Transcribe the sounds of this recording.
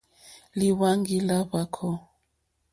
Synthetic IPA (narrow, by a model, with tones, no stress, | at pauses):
li˦wa˦ŋɡi˦la˦βa˦kʰɔ˦